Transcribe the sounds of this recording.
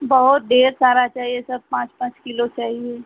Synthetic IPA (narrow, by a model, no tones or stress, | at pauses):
bəɦʊt̪̚ɖeːɾsaːɾat͡ʃaːɦiesɐb̚pãːt͡ʃpãːt͡ʃkɪlot͡ʃaːɦieː